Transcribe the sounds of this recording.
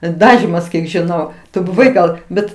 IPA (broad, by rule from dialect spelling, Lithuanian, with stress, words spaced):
ˈdɑːʒʲiːmɐs kʲiɛk ʒʲɪˈnɐʊ tʊ bʊˈʋɐɪ ˈɡɐlˠ ˈbʲɛt